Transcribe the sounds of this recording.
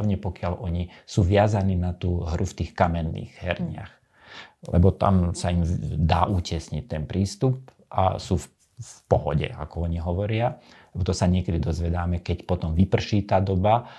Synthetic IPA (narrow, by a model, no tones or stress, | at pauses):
ʋɲɛpɔkɪaʎʔɔɲisuːʋɪazaniːnat̪uːɦɾʔuft̪iːxkamɛnːḭːɣɦɛ̰ɾɲɪa̰x | lɛ̰bɔt̪a̰msaimd̪aːʔuːcɛsɲic̚t̪ɛnpɾiːst̪up̚ | ʔa̰suːf | pɔɦɔ̰ɟɛ̰a̰kɔɔɲiɦɔʋɔɾɪa | lɛbɔt̪ɔsaɲɪɛkɛd̪id̪ɔzʋɛd̪aːmɛkɛcpɔt̪ɔmʋipr̩ʃiːt̪aːd̪ɔba